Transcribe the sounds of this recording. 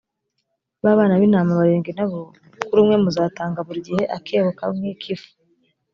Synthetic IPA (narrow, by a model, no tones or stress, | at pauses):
βaːβaːnaβinaːmaβaɾeːŋɡenaβo | kuɾuːmŋe̞muzaːtaːŋɡaβuɾɟiheʔakʰeːβoka̰mwekʰifu̥